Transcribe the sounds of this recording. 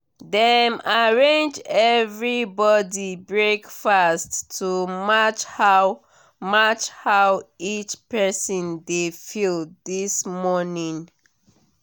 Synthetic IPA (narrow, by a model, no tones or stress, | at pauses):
dɛmaɹẽnd͡ʒɛvɹibɔdibɹekfastʰːumat͡ʃha | mat͡ʃhawit͡ʃpɛsɔ̃ndefilˠdismɔnĩŋ